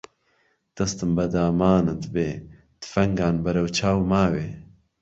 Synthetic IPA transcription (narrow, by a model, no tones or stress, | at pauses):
d̪̥ɐst̪ɨmbɐd̪aːmaːnɨd̪ɨbeː | d̪̥ɨ̥fɐŋɡaːnbɐɾɐwt͡ʃʰaːwmaːweː